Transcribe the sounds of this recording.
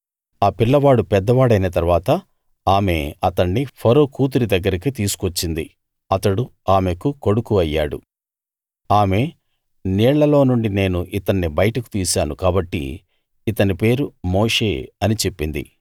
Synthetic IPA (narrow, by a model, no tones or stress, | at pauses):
aːpiɭːɐʋaːɽupɛd̪ːɐʋaːɽɐjnɐt̪ɐɾʋaːt̪ɐ | aːme̞ɐt̪ɐɳːipʰɐɾoːkuːt̪̬uɾid̪ɐɡːɐɾɐkit̪iːsu̥kot͡ʃːind̪ḭ | ɐt̪ɐɽuaːmekuko̞ɽukuɐjːa̰ːɽṵ | aːme̞ | niːɭːɐlo̞ːnuɳɖine̞ːnuʔit̪ɐɳːibɐjɐʈɐku̥t̪iːsaːnukaːbɐʈːḭː | t̪ɐnipe̞ːɾumoːʂe̞ːɐnit͡ʃe̞pːind̪ḭ